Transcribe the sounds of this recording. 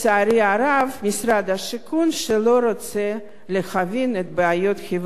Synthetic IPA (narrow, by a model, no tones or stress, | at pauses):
t͡seaɾiaɾavmisɾad̪haʃikunʃelo̞ɾot͡se | lexavinet̪̚beajot̪xiv